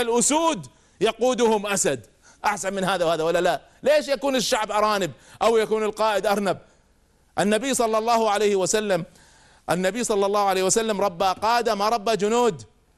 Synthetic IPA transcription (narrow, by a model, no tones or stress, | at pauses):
alʔʊsuːd̪ | jɑquːd̪ʊhʊmʔasad̪ | ʔaħsanmɪnhaːðawhaːðawalːala | leːʃjakuːnɪʃːaʕbʔɑɾˤɑːnɪb̚ʔawjakuːnɪlqɑːʔɪd̪ʔɑɾˤnab̚ | ʔɪnːabijːsˤɑlːɑlˤːɑːhʊʕalajhɪwasalːam | ʔɪnːabijsˤɑlːɑlːɑːhʕalejːhwasalːamɾˤɑbːaqɑːʔd̪amaɾˤɑbːad͡ʒʊnuːd̪